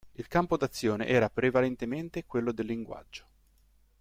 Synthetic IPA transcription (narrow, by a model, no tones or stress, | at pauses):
ilkampod̪at̪sːjoːnḛʔɛːɾapɾevalent̪ement̪ekwelːod̪elːiŋɡwa̰d͡ʒːo̥